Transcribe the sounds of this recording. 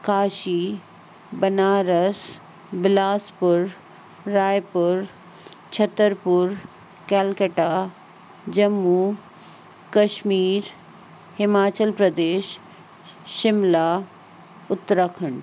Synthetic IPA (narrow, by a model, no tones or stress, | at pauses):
kaːʃi | bɐnaːɾəs | bɪlaːspʊɾː | aːjpʊɾ | t͡ɕʰɐt̪əɾpʊɾ | kɛːlkəʈa | d͡ʑɐmːu | kɐʃmiːɾ | hɪmaːt͡ɕəlpɾəd̪eːʃː | ɪmla | ʊt̪ɾəkʰəɳ̃